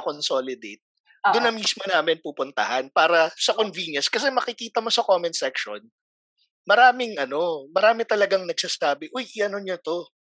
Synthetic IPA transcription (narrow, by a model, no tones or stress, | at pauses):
konso̞ːlɪd̪ejt̪̚ | d̪ʊnɐmismonaːmɪnpupʊnt̪ɐ̰hɐnpaːɾɐsɐkonvinjɐnskɐs̬ɛmɐkɪkiːt̪ɐmo̞sɐkoːmɛnsɛkʃo̰n | mɐɾaːmɪŋʔɐno̞mɐɾaːmɪt̪ɐlɐɡaŋnɐɡ̚sɐsaːbɪʔʊjʔɪɐnoɲɐt̪o̞